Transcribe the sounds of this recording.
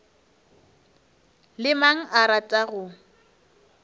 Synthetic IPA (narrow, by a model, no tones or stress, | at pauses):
lɪmaŋ̩ʔaɾatʼaɣʊ